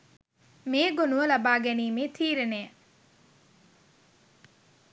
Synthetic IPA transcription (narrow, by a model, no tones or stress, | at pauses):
meːɡonuʋəlabaːɡɛniːmeːt̪ʰiːɾenejə